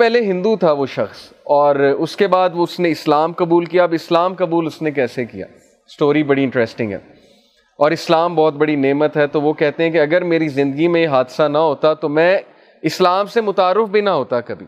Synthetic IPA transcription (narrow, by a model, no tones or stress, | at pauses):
pɛɦleɦɪ̃nd̪ut̪ʰaʋoʃɐxs | ɔːɾʊskebaːd̪ʋoʊsneɪslaːmkɐbuːlkijaɐbɪslaːmkɐbuːlʊsnekɛːsekija̰ː | sʈoːɾibɐɽiɪ̃ɳʈɾɛsʈɪ̃ŋɡɦɛ̰ː | ɔːɾɪslaːmbɔːt̪̚bɐɽineːmət̪ɦɛt̪oʋokɛɦt̪eɦɛ̃keɐɡəɾmeːɾizɪ̃nd̪əɡimẽjeɦaːd̪sanɐɦoːt̪at̪omɛ̃ | ɪslaːmsemʊt̪aːɾːɪfbʱinɐɦoːt̪akɐbʱḭː